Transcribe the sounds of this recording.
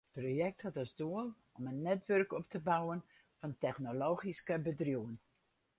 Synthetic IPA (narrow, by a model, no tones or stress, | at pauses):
ət̚proːjɛk̚thatɔsduəlˠ | ɔmənːɛtʋørkɔp̚təbawən | fɑntɛxnoloːχiskəbədrjuən